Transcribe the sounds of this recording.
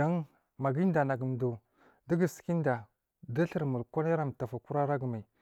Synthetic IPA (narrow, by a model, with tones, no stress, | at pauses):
a˦ŋ | ma˨ɡi˦n˦da˨na˨ɡə˨m˨du˨ | də˦ɡə˨si̥˨ki˦n˦da˨ | da˦ɬə˦˨ɾmu˨lka˦na˦ɾa˦˨m˨ta˨fa˨ku˦ɾa˦ɾa˦ɡə˨ma˨